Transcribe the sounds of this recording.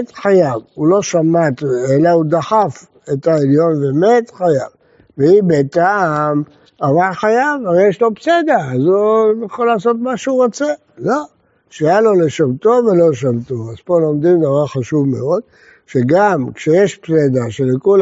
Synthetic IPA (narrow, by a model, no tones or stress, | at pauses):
t̪ħajavulo̞ʃamat̪elaud̪aħaf | et̪aeljo̞nvemet̪χajav | veibet̪am | avaʁħajavaʁejeʃlo̞psed̪aazujaχolaːso̞t̪maʃeuʁot͡se | lo̞ | ʃejalo̞leʃavt̪o̞ve̞lo̞ʃavt̪oazpolo̞md̪imd̪avaʁχaʃuvmḛo̞d̪̚ | ʃeɡamkʃejeʃpsed̪aʃelekol